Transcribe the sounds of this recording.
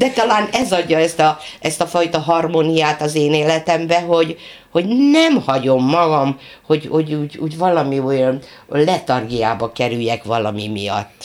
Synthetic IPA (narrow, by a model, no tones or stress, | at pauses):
d̪̥ɛt̪ɒlaːnɛzɒɟːɒɛst̪ɒɛst̪ɒfɒjt̪ɒɦɒrmonijaːt̪ɒzeːneːlɛt̪ɛmbɛɦo̞ɟ | ho̞ɟnɛmhɒɟo̞mːɒɡɒmho̞ɟho̞ɟuːɟṵːɟvɒlɒmiojɒn | lɛt̪ɒrɡijaːbɒkɛɾyjːɛkʋɒlɒmimijɒ̰t̪ː